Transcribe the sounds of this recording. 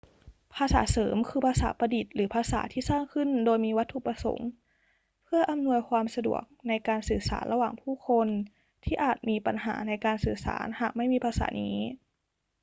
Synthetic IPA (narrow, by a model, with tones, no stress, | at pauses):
pʰaː˧sa̰ː˩˦sɤː˩˦mkʰɯː˧pʰaː˧sa̰ː˩˦pa˧di˨˩t̪̚lɯː˩˦pʰaː˧sa̰ː˩˦t̪ʰiː˥˩saː˥˩ŋkʰɯ˧˥˩ndoː˧jmiː˧wa˦˥t̪ʰːu˧˩pa˧so̰˩˦ŋ | pʰɯ˥˩ɐʔa˧˦mnu˧əjkʰwaː˧msa˧dṵ˨˩ək̚na˧jkaː˧nsɯː˨˩sa̰ː˩˦nla˧waː˨˩ŋpʰuː˥˩kʰo˧n | t̪ʰiː˥˩ʔaː˨˩t̪̚miː˧pa˧nɦa̰ː˩˦na˧˩jkaː˧nsɯː˨˩sa̰ː˩˦nhaː˨˩k̚ma˥˩jmiː˧pʰaː˧sa̰ː˩˦nḭː˦˥